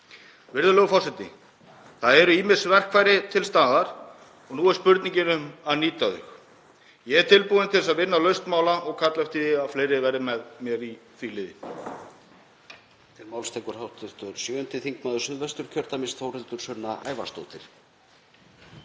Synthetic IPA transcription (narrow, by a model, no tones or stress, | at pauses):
vɪɾðʏlœːɣʏfɔɾ̥sɛt̪nɪ̰ | θaðɛɾʏiːmɪɾ̥svɛr̥kʰvajɾɪt̪ʰɪlst̪aːðaɾ̥ | ɔɣnuːɛɾ̥spʏɾt̪niɲcɪnʏmaðniːt̪aðʏ̰x | jɛɛɾt̪ʰɪlpuðɪnt̪ʰɪs̬aðvɪnːalœɥst̪maːwlaʔɔɣkʰat̪lɛft̪iðɪafleːjɾɪvɛɾɪmɛðmjɛɾiθilɪːðɪ | t̪ʰɪlmawlst̪ɛjkʏɾ̥hawht̪ɪ̥t̪ʏɾ̥sjœːʏnt̪ɪθiŋkmaːðʏsʏðvɛst̪ʏɾ̥cʰœɾt̪amɪst̪fowrɪlt̪ʏɾ̥sœnːa̰ʔa̰ːjva̰st̪o̰wt̪ɪɾ̥